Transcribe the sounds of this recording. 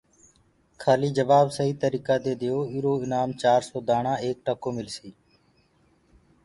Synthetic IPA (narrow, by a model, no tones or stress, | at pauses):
kʰaːliːd͡ʒəʋaːbsəɦiːt̪əɾiːkaːd̪eːd̪ɪjoːɪɾoːɪnaːmt͡ʃaːɾsoːd̪aːɳãːeːk̚ʈəkoːmɪlsiː